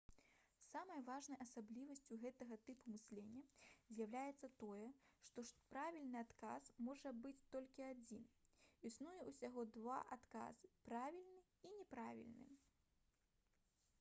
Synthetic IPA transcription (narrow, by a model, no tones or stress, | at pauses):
samɐjvaʐnɐjɐsablʲivɐsʲt͡sʲuɣɛt̪ɐɣɐt̪ɨpumɨsʲlʲenʲːɐzʲjawlʲajɛt̪sːɐt̪ɔjɛʂt̪ɔʂpɾavʲilʲnɨat̪kasmɔʐɐbɨt͡sʲt̪ɔlʲkʲiad͡zʲinisnujɛusʲaɣɔd̪va̰ʔat̪ka̰z̥ɨpɾavʲilʲnɨ | inʲɛpɾavʲḭlʲnɨ̰